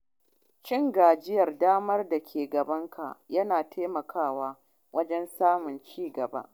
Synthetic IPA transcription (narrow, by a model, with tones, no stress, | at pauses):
t͡ʃɪ˦ŋɡaː˨d͡ʒɪ˦jɐ˨rdaː˦mɐ˦rda˨kʲʰeː˨ɡɐ˨bɐ˦ŋkʰa̰˨jɐ˦naː˨tʰeː˦mɐ˨kʰaː˦˨waː˦ | wɐ˦d͡ʒɛ˦nsaː˦mʊ˨nt͡ʃiː˦ɡɐ˨ba̰˦ʔ